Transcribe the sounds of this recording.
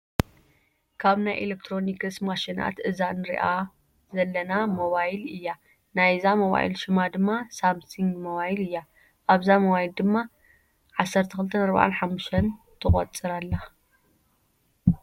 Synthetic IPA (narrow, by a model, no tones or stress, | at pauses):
kʰaβnajʔḛlek̚t̪ʰɾo̞nikɨsmaʃina̰t̪ʔɨzanɨɾḭʔa | zɐlːɐnamo̞βajlɨjːa | najzamo̞βa̰jḭlʃɪmad̪ɨmːasamsiŋɡmoβajlɨjːa | ʔaβzamoβajild̪ɨmːa | ʕasːɐɾt̪ʰɐxɨlt̪ʰɐnɐɾβa̰ʕa̰nħamːuʃt̪ʰɐn | t̪ʰɨχʼɐ̰t͡sʼɨɾalːa